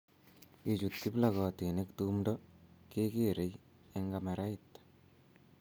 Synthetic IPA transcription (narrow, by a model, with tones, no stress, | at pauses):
ke˨t͡ʃu˨t̚ki˦plakɔ˨ti˨ne˦ktumdɔke˦keɾe˦j | e˦ŋɡama˨ɾa˦ɪt̪